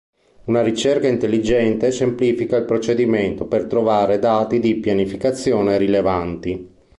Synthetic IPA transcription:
unaɾit͡ʃerkaint̪elːid͡ʒɛnt̪esempliːfikailpɾot͡ʃed̪iment̪opert̪ɾovaːɾed̪aːt̪id̪ipjanifikat̪sːjoːneɾilevant̪i

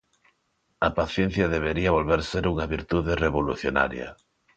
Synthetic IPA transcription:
ɐpaθjẽn̟θjɐðeβ̞eɾiɐβolβeɾseɾuŋaβiɾt̪uðereβoluθjona̰ɾja̰

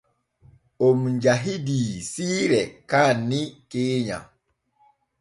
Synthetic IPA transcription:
ʔomɲd͡ʒaɦidisiːɾɛkaːnːikeːɲa̰

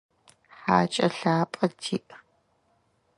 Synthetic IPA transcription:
ħaːt͡ʃʼɐɬaːpʼɐtʰiːʔ

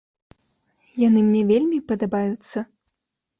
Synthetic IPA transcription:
janɨmnʲɛvʲelʲmʲipɐd̪abajut̪sːɐ

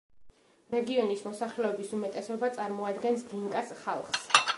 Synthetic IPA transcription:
ɾɛɡiɔnismɔsaχlɛɔbisumɛt̪ʼɛsɔbat̪sʼaɾmɔad̪ɡɛnsd̪iŋkʼasχalˠχs

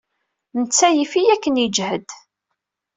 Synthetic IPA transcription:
nət͡sːæjifijækːənjəd͡ʒhəd̪

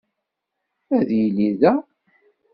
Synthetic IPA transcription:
æðjiliðæ

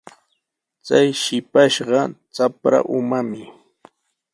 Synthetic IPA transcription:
t͡sajʃɪpaʃɢɑt͡sapɾa̰ʔʊmamɪ

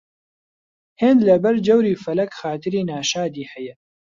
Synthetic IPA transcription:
heːnd̪lɐbɐɾd͡ʒɛwɾiːfɐlɐkxaːt̪ɨɾiːnaːʃaːd̪iːhɛjɛ

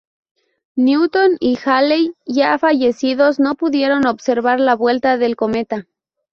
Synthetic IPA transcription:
njuut̪o̞nixalejʝafaʝe̞siðo̞zno̞puðje̞ɾo̞no̞βse̞ɾβaɾlaβwe̞lt̪aðe̞lko̞me̞t̪a

